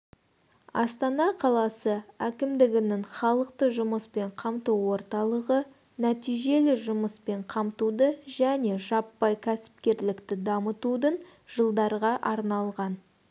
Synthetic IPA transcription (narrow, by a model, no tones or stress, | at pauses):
ɑ̰st̪ɑnɑqʰɑlˠɑsəækʲɪmd̪ɪɡʲɪnɪŋχɑlˠəqt̪əʒʊməspe̞ɴqʰɑmt̪uwo̞ɾt̪ɑlˠəʁə | næt̪ijʒe̞lɪʒʊməspe̞ɴqʰɑmt̪ud̪əʒæne̞ʒɑpːɑjkʲʰæsɪ̥p̚kʲe̞ɾlɪkt̪ɪd̪ɑmət̪ud̪ən | ʒ̥əlˠd̪ɑɾʁɑʔɑɾnɑlˠʁɑn